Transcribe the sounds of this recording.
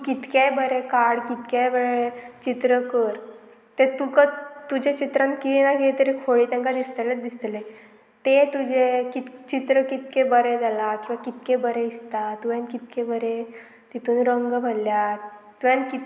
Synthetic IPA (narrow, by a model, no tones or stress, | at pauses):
kit̪kjajbəɾekaɽkit̪kajbəɾet͡ɕit̪ɾəkəɾ | t̪et̪ukət̪ud͡ʑet͡ɕit̪ɾãnkinaket̪əɾikʰoɭiːt̪ɛ̃ŋkad̪ist̪əled̪ist̪le | t̪et̪ud͡ʑekit̪t͡ɕit̪ɾəkit̪̚kebəɾed͡zalakĩw̃ʋakit̪kebəɾeist̪at̪uʋjãnkit̪̚kebəɾe | t̪it̪uːnɾəŋɡbʱəlːjat̪ujãnkit̪